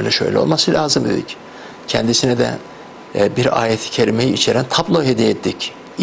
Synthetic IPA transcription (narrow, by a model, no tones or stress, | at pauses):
jlʲɛ̰ʃø̰jlʲɛ̰o̰lˠmasɯlʲʔaːzɯmd̪ed̪ḭc | cʰɛnd̪isinɛd̪ɛ̰ | biɾa̰ːjet̪ʰi̥cʰeɾʲime̞jiit͡ʃʰe̞ɾænt̪ʰaplˠoɦed̪ijet̪ʰːic